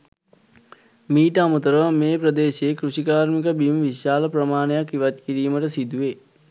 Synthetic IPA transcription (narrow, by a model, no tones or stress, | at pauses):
miːʈəamut̪əɾəʋəmeːpɾəd̪eːɕeːkɾuɕikaːɾmik̬əbiməʋiʃaːləpɾɐmaːnəjakːiʋɐt̪̚kiɾiːməʈəsid̪uʋe